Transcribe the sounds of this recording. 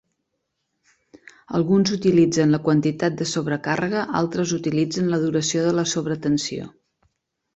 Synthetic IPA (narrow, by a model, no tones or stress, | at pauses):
ə̰lˠɣunzut̪ilid͡zənləkwənt̪it̪at̪̚d̪əsoβɾəkarəɣəʔa̰lˠt̪ɾəzut̪ilid͡zənləðuɾəsioðələsoβɾət̪ənsio̰